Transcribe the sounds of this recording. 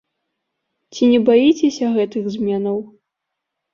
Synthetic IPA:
t͡sʲinʲɛbajit͡sʲɛsʲɐɣɛt̪ɨɣzʲmʲɛnɐw

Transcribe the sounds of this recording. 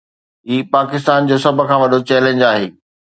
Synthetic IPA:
ɦiːpaːkɪst̪aːnd͡ʑoːsɐbʱʊ̆kʰãːʋɐɗot͡ɕɛːlẽɲd͡ʑaːɦeː

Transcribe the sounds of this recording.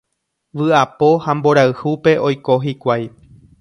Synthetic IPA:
ʋɨapo̞hambo̞ɾaɨhupe̞ʔo̞jko̞ɦikʷaj

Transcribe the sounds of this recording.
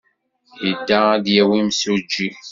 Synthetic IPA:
jəd̪ːææd̪jæwimsud͡ʒːi

